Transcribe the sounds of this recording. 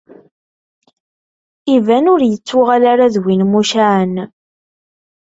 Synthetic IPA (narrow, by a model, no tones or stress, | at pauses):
ivænʊɾjət͡sːʊʁalaɾaðwinmuʃaʕən